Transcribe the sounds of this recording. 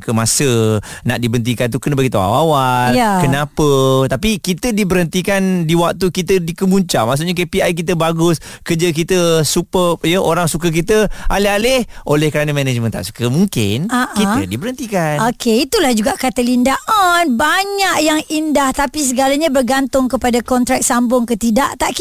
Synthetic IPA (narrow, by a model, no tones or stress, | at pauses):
kəmasənaʔdibənt̪̬ikant̪̬ukənabaɡit̪ua̰wawaljakənapət̪apikit̪ədibəɾənt̪ikandiwak̚t̪ukit̪ədikəmuɲt͡ʃa̰ʔmaʔs̬ʊʔɲak̬epiajk̬it̪̬əbaɡʊs | kəd͡ʒək̬it̪əsupəjəʔoɾaŋsuk̬ək̬it̪əʔa̰lɪɦalɪhʔolɛhkəɾanəmɛ̃nɛd͡ʒmə̃nt̪a̰ʔsu̥kəmuŋkɪ̰naʔkit̪ə̰dibəɾənt̪ikanokeit̪ulahd͡ʒuɡaʔkat̪əlindaʔanbaɲaʔjaŋindaht̪apis̬əɡalaɲabərɡant̪ʊŋkəpadakɔnt̪ɾak̚sambʊŋkət̪idaʔt̪aʔk